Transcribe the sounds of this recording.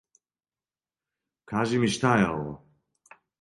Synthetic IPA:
kʰaʒimiʃt̪ʰaːjala̰

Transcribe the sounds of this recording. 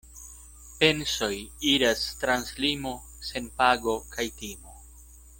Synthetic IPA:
pe̞nso̞jiɾastɾanslimo̞ | se̞npaɡo̞kʰajtimo

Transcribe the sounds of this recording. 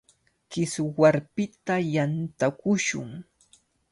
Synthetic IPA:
kɪswaɾpɪt̪ajant̪akʊʃʊ̰ŋ

